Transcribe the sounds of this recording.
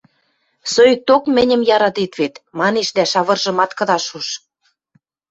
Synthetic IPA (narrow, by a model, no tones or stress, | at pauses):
søjt̪okmɘ̆nʲə̆mjɑɾɑt̪it̪βet̪mɑneʃd̪æʃɑβɤ̆rʒɤ̆mɑt̪kɤ̆ðɑʃuʃ